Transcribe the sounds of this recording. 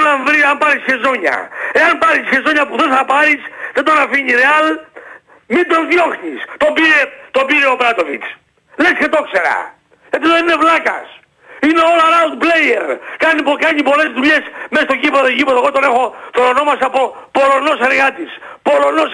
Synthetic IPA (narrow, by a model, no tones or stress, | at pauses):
nɐɱvɾiɐmpɐɾisçezoɲɐ̰e̞ɐnpɐɾisçe̞zo̞ɲɐpuðenθɐpɐɾisðed̪onɐfiɲiɾeɐl | mid̪ɾozðjo̞xɲist̪obiɾet̪o̞biɾeopɾɐt̪ovit͡s | lescet̪o̞kse̞ɾɐ̰ | ʝɐt̪iðoninevlɐkɐ̰s | ineo̞lɐɾaut̪̚plejeɾkɐnipokɐɲipole̞zðuʎe̞smest̪oʝipeðoʝipeðoɣot̪one̞xo̞t̪onono̞mɐsɐpo | poɾono̞seɾɣɐt̪is | po̞lo̞nos